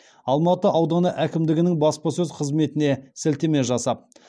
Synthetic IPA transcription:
ɑlˠmɑt̪əʔɑwd̪ɑnəʔækʲɪmd̪ɪɡʲɪnɪŋbɑspɑsɵzqʰəzme̞t̪ɪne̞sɪlt̪eme̞ʒɑsɑp̚

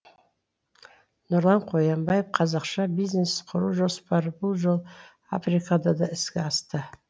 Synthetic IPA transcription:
nʊɾlˠɑnqʰojɑmbɑjepqʰɑzɑqʃɑbiznesqʰʊɾuʒospɑɾəbʊlˠʒolˠ | a̰frikʰɑd̪ɑd̪ɑɪskʲɪɑst̪ə

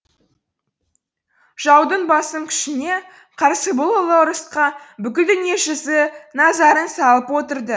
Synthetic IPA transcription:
ʒ̥ɑwd̪əɴbɑsəmkʲʰɪ̥ʃɪne̞ | qʰɑɾsəbʊlˠəlˠəɾəsqɑbʏkʲɪld̪ʏnjeʒəzənɑzɑɾənsɑlˠəpwo̞t̪əɾd̪ə

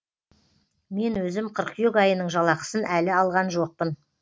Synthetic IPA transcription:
me̞nwɵzɪmqʰəɾqʰjekɑjənəɴʒɑlˠɑqə̥sənʔælɪɑlˠʁɑnʒo̞q̚pən

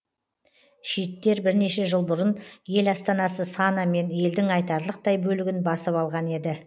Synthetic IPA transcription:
ʃijt̪ːe̞ɾbɪɾne̞ʃe̞ʒəlˠbʊɾənje̞lɑst̪ɑnɑsəsɑnɑme̞nje̞ld̪ɪŋɑjt̪ɑɾlˠəq̚t̪ɑjbɵlɪɡʲɪnbɑsəpɑlˠʁɑne̞d̪ɪ

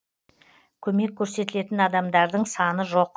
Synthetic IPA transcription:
kʲʰɵme̞kʲʰːɵɾse̞t̪ɪle̞t̪ɪnɑd̪ɑmd̪ɑɾd̪əɴsɑnəʒo̞q̚

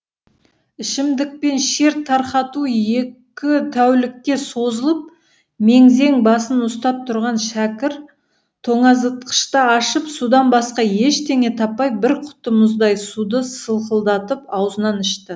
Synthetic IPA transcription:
ɪʃɪmd̪ɪk̚pe̞nʃe̞ɾt̪ʰːɑɾqɑt̪uje̞kkʲɪt̪ʰæwlɪkːʲe̞so̞zəlˠəp̚ | me̞ŋze̞ŋbɑsənʊst̪ɑp̚t̪ʰʊɾʁɑnʃækʲɪɾ | t̪ʰo̞ɴɑzət̪qə̥ʃt̪ɑɑʃəpsud̪ɑnbɑsqɑje̞ʃt̪ʰe̞ŋe̞t̪ʰɑpːɑjbɪɾqʰʊ̥t̪əmʊzd̪ɑjsud̪əsəlˠqəlˠd̪ɑt̪əpɑwzənɑnɪʃt̪ɪ

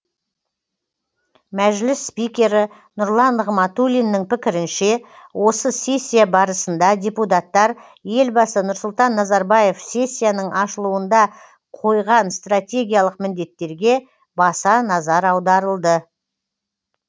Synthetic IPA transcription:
mæʒlɪsːpijkʲe̞ɾɪ | nʊɾlˠɑnʁmɑt̪ulʲijnːɪŋpɪkʲɪɾɪnʃe̞wʔo̞səsʲe̞sʲːijabɑɾəsənd̪ɑdʲeput̪̬at̪ːɑɾ | je̞lbɑsənʊɾsʊlˠt̪ɑnːɑzɑɾbɑje̞fsʲe̞sʲːijanəɴʔɑʃəlˠuənd̪ɑ | qʰo̞jʁɑnst̪rat̪ʲe̞ɡʲijalˠəqmɪnd̪e̞t̪ːe̞ɾɡʲe̞ | bɑsɑnɑzɑɾɑwd̪ɑɾəlˠd̪ə

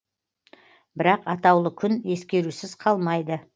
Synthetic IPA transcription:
bɪɾɑqɑt̪ɑwlˠəkʲʰʏne̞skʲe̞ɾusɪzqʰɑlˠmɑjd̪ə

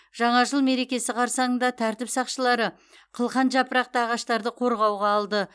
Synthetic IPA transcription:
ʒ̥ɑɴɑʒəlˠme̞ɾe̞kʲe̞sɪqʰɑɾsɑɴənd̪ɑt̪ʰæɾt̪ɪpsɑqʃəlˠɑɾə | qʰəlˠqɑnʒɑpəɾɑq̚t̪əɑʁɑʃt̪ɑɾd̪əqʰo̞ɾʁɑwʁɑːlˠd̪ə

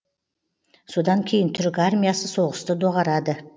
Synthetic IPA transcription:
so̞d̪ɑŋkʲʰe̞jɪnt̪ʰʏɾɪkʲarmʲijasəso̞ʁəst̪əd̪o̞ʁɑɾɑd̪ə

